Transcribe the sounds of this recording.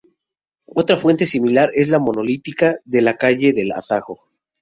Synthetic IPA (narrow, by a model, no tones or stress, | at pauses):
o̞t̪ɾafwe̞nt̪e̞similaɾe̞zlamo̞no̞lit̪ikaðe̞lakaʝe̞ðe̞la̰t̪axo̞